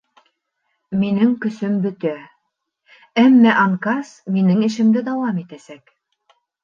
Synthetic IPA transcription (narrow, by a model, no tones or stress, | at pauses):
minɘŋkɵ̆sɵmbɵ̆t̪æ | æmːæʔɑŋkɑsminɘŋɘ̆ʃɘ̆md̪ɘd̪ɑwɑmit̪æsæk